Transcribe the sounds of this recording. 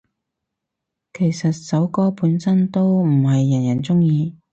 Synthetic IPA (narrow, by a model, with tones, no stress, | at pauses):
kʰe˨˩jsɐ˨t̚sɐ˨˥wkɔː˥puː˨˥nsɐ˥nt̪o˥wm̩˨˩ɦɐ˨jːɐ˨˩njɐ˨˩nt͡sʊ˥ŋjiː˧